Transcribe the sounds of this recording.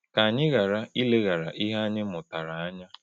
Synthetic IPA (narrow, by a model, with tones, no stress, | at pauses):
ka˨ɲɪ˦ɣa˨ɾa˦i˦le˦ɣa˨ɾa˨ʔi˦ɦa˦a˦ɲɪ˦mʊ˨ta˨ɾa˨a˦ɲa˦